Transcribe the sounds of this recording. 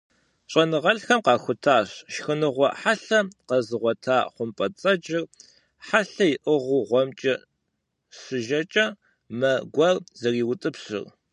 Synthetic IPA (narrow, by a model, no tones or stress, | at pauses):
ɕʼɐnɨʁɐɬxɐmqɑːxʷʊtʰaːɕʃxɨnɨʁʷɔ̰ħaɬɐqɐzɨʁʷɔtʰaːχʷʊmpʼɐt͡sʼɐd͡ʒɪr | ħaɬɐjɪʔɨʁʊʁʷɔmt͡ʃʼɐ | sɨʒɐt͡ʃʼɐ | mɐɡʷɐrzɐriːwʊtʼɨpɕɨ̰r